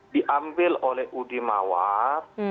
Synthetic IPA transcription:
diʔambɪlolɛhʔudima̰war

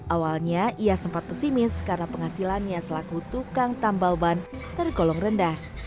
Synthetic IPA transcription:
ʔawalɲaʔiasəmpat̪̚pəsimɪskarnapəŋasilanɲasəlakut̪ukaŋt̪ambalbant̪ərɡolɔŋrəndah

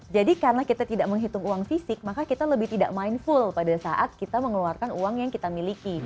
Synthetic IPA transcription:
d͡ʒadikaɾənakit̪at̪idaʔ̚məŋɦit̪ʊŋuaŋfisɪk̚makakit̪aləbɪht̪idaʔmainfʊlpadasaʔat̪̚kit̪aməŋluarkanuaŋjaŋkit̪amiliki

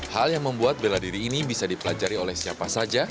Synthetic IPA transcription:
haljaŋməmbuat̪̚beladiɾiːnibisadipəlad͡ʒaɾiolɛhsiapasad͡ʒa

